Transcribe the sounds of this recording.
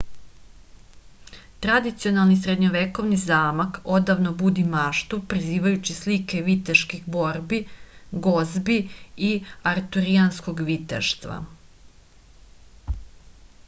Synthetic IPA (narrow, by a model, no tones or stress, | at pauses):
t̪ɾad̪it̪sio̞nalˠnisɾed̪ɲoʋeko̞ʋnizaːmako̞d̪aʋnobud̪imaːʃt̪upɾiziːʋajut͡ɕislike̞ʋit̪eʃkixbo̞ɾbiɡo̞zbiiaɾt̪uɾiansko̞ɡʋit̪ḛʃt̪ʋa̰